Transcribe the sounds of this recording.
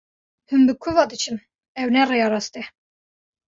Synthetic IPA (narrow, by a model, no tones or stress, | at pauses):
hɨmbɨkʷʰuvɑd̪ɨt͡ʃʰɨm | ɛwnɛrejɑɾɑst̪ɛ